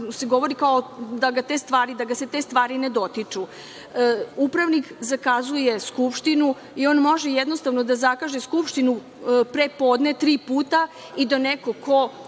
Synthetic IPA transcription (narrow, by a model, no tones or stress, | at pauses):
se̞ɡo̞ʋo̞ɾikaod̪aɡat̪e̞st̪ʋaːɾid̪aɡase̞t̪e̞st̪ʋaːɾined̪o̞t̪it͡ʂu | upɾaʋnikzakazuje̞skupʃt̪inu | io̞ːnmo̞ʒejɛd̪no̞st̪aʋno̞d̪azakaʒeskupʃt̪inu | pɾepo̞ːd̪net̪ɾiːpuːt̪a | id̪aneko̞ko̞